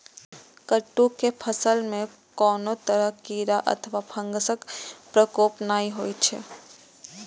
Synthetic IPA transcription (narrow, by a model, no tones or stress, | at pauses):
kəʈːukepʰəsəlmẽ | kɔːnõt̪əɾəɦkiːɾaʔɐ̰t̪ʰəʋapʰɐ̃ŋɡəsəkpɾəkoːpnaːiɦoːit͡ʃʰḛː